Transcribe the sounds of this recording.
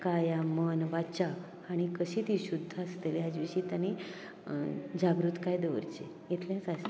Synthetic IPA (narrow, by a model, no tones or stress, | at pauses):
kajamənʋat͡ɕa | aɽ̃ikəɕit̪iːɕud̪ʱːaəst̪eliɦad͡zʋiɕiːt̪añi | d͡ʑaɡɾut̪kajd̪eʋə̰ɾt͡ɕe | jet̪ʰljãt͡sast̪